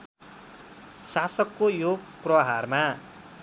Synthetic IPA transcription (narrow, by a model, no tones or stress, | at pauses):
sasʌkːojoprʌɦarma